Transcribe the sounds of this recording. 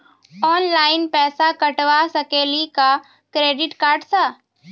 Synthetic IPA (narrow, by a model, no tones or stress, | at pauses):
ɔːnlaːɪnpɛːsakɐʈʋasɐkeːlika | kɾeːɖɪʈkaːɾɖsaː